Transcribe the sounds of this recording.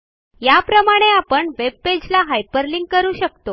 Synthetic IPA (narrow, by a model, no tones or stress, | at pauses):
japɾəmaɽ̃eapəɳʋeb̚ped͡ʑlaɦajpəɾliŋɡ̚kəɾuːɕəkt̪o